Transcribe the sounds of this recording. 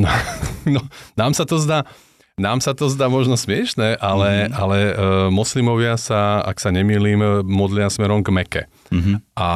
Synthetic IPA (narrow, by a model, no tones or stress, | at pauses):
nɔnɔnaːmsat̪ɔzd̪aː | naːmsat̪ɔzd̪aːmɔʒnɔsmɪɛʃnɛːʔalɛalɛmɔslimɔʋɪasaa̰ksaɲɛmiːliːmːɔd̪lɪasmɛɾɔmɡmɛkɛ̰ | ɦa